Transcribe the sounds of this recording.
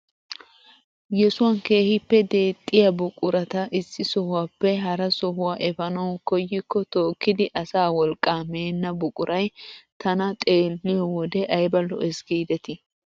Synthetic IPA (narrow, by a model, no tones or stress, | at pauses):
jɛsʊwɐnke̞ːhɪpːɛd̪e̞ːt̪ʼːɪjɐbʊkʼʊɾɐt̪ɐʔɪsːɪsɔhʊwaːpːɛɦɐɾɐsɔɦʊwaːʔɛfɐnɐwkɔjːɪkːɔt̪o̞ːkːɪd̪ɪʔɐsaːwɔlkʼːaːmeːnːɐbʊkʼʊɾʔɐjt̪ʰɐnɐt̪ʼe̞ːlːɪjɔwɔd̪ɛʔɐjbɐlːɔ̰ʔɛsɡiːd̪ɛt̪ɪ